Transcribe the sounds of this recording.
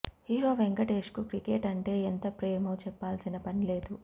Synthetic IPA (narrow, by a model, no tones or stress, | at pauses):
hiːɾo̞ːʋeŋɡɐʈeːʂkukɾikeːʈɐɳʈe̞ːent̪ɐpɾeːmɐwt͡ʃɛpːaːlsinɐpɐnile̞ːd̪u